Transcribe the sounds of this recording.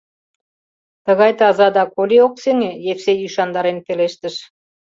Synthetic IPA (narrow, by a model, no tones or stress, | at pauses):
t̪ə̆ɣɑjt̪ɑzɑd̪ɑkolʲiok̚seŋejefsejyʃɑnd̪ɑɾenpeleʃt̪ə̆ʃ